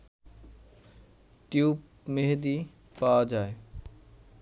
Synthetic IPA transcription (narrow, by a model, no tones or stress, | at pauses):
ʈjuːp | meɦd̪i | paːd͡ʒaːe